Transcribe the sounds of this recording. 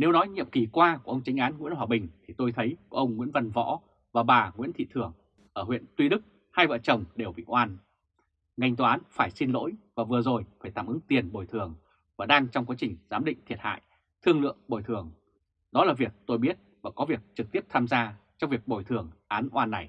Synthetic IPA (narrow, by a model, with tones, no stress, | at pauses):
ne˨˦wnɔ˨˦jɲḭ˧˨əmki˨˩kwaː˧ku˧˩əʔə˧ŋ͡mt͡ɕa˨˦jŋ̟ʔaː˨˦nŋwi˧˥ənɦwaː˨˩ɓï˨˩ŋ̟t̪ʰi˨˩t̪o˧jt̪ʰə˨˦jku˧˩əʔə˧wŋ͡mŋwḭ˧˥ənvə˧nvɔ̰˧˥ | vaː˨˩ɓaː˨˩ŋwḭ˧˥ənt̪ʰḭ˧˨t̪ʰɨ˨˩əŋ | ʔəː˧˩hwḭ˧˨ənt̪wi˧ɗɨ˦˥k̚ | haː˧jvə̰ː˧˨t͡ɕə˨˩wŋ͡mɗe˨˩wɓḭ˧˨ʔwaː˧n | ŋa˧jŋ̟t̪ːʔːnfaː˧˩jsi˧nlo̰˧˥jvaː˨˩vɨ˨˩əzo˨˩jfaː˧˩jt̪a̰ː˧˨mʔɨ˨˦ŋt̪i˨˩ənɓo˨˩jt̪ʰɨ˨˩əŋ | vaː˨˩ɗaː˧ŋt͡ɕɔ˧wŋ͡mkwaː˨˦t͡ɕï˨˩ŋ̟zaː˨˦mɗḭ̈˧˨ŋ̟t̪ʰi˨˩ət̚ha̰ː˧˨j | t̪ʰɨ˧əŋlɨ̰˧˨əŋɓo˨˩jt̪ʰɨ˨˩əŋ | ɗɔ˨˦laː˨˩vi˨˩ək̚t̪o˧jɓi˦˥ət̚vaː˨˩kɔ˨˦vi˨˩ək̚t͡ɕɨ˨˩k̚t̪i˦˥əp̚t̪ʰaː˧mzaː˧t͡ɕɔ˧wŋ͡mvi˨˩ək̚ɓo˨˩jt̪ʰɨ˨˩əŋʔaː˨˦nʔwaː˧nːa˨˩j